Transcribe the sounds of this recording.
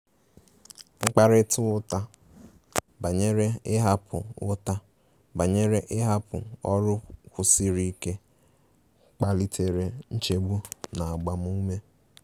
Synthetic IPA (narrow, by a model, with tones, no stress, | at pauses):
ŋ͡m̩˦k͡pa˦ɾɪ˦tʊ˦ʊ˦ta˦ | ba˨ɲe˦ɾe˦ɪ˦ɦa˦pʊ̰˨ʊ̰˦ta˦ | ba˨ɲe˦ɾe˦ʔɪ˦ɦa˦pʊ̰˨ɔ̰˦ɾʊ˦kʷʊ˨si˦ɾi˦ke˦ | k͡pa˦li˦tʰe˨ɾe˨n̩˦t͡ʃe˦ɡ͡bu˦na˨a˨ɡ͡ba˨m˦u˦me˦